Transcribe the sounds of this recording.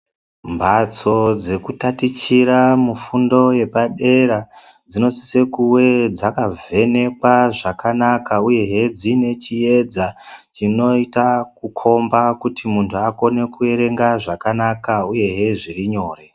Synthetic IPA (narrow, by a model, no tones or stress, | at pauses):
mbat͡so̞d͡ze̞kutatit͡ʃiɾamufundo̞je̞paɗe̞ɾa | d͡zino̞si̥se̞kuwe̞d͡zakave̞ne̞kwaʐakanakauje̞ɦed͡zine̞t͡ʃije̞d͡zat͡ʃino̞itak̚ukʰo̞mbakutʰimuntʰuako̞ne̞kue̞ɾe̞ŋɡaʐakanakauje̞ɦeʐiriɲo̞ːre̞